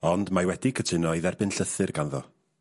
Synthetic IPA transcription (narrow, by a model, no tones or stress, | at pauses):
ɔndmajwɛdɪkʰətʰɪnɔiðɛrbɪnɬəθɨrɡanðɔ̰